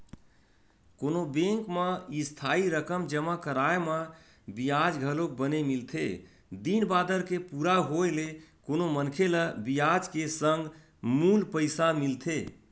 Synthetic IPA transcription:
konobẽŋkmeist̪ʰaiɾəkəmd͡ʒəmakəɾaeme | bijad͡ʒɡʱəlok̚bənemilt̪ʰe | d̪inbad̪əɾkepuɾaɦoelekonomənkʰeləbijad͡ʒkesəŋɡ | mulpəɪsamilt̪ʰe

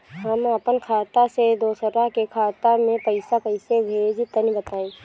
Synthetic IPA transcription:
ɦɐmɐpənkʰaːt̪ased̪oːsəɾaɦkekʰaːt̪amẽpəɪsapəɪsebʱeːd͡ʒt̪ənĩbət̪aːẽː

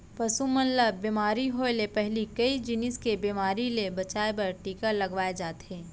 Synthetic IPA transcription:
pɐsumənləbːimaːɾiɦoelepɛɦlikɐid͡ʒɪnɪskebiːmaːɾilebɐt͡ʃaːepɐɾʈiːkalɐɡʋaːed͡ʒaːt̪ɦẽː

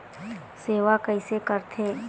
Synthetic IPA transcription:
seːʋakəɪsekəɾt̪ʰeː

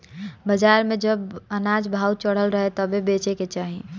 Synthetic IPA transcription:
bəd͡ʒaːɾmẽd͡ʒəbənaːd͡ʒbʱaːwt͡ʃəɽ̤əlɾəɦet̪əbebeːt͡ʃeket͡ʃaːɦi

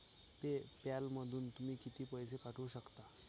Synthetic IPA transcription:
pepjalməd̪ʱuːnt̪umiːkit̪iːpəjsekaʈʰuːɕəkt̪a

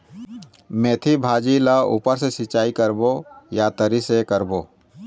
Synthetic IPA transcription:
mẽːt̪ʰibʱaːd͡ʒilaṵːpəɾsesɪt͡ʃaːikəɾbojat̪əɾisekəɾboː

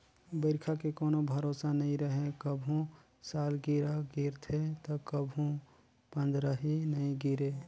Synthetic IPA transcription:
bəɾkʰakekoːnobʱəɾoːsanɐĩɾəɦekəbʱũ | saːlɡiɾaɡiɾt̪ʰet̪ɔkəbʱũ | pə̃nd̪ɾəɦinəĩɡiɾeː

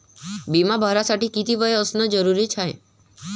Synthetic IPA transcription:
bimabʱəɾasaʈikit̪iʋəjəsnəd͡ʒəɾuɾit͡ʃʰaj

